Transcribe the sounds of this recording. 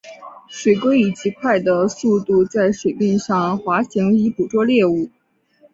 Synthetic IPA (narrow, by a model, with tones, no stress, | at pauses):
ʂwe˨˩ɪkwe˥ɪi˨˩t͡ɕi˧˥kʰwa˥˩ɪd̪ə˩su˥˧t̪u˥˧t͡sa˥˩ɪʂwe˨˩ɪpi˥˧ŋʂɑ˥˩ŋxwa˧˥ɕi˧˥ŋi˧˥pu˨˩ʈ͡ʂwɔ˥ljɛ˥˧u˥˩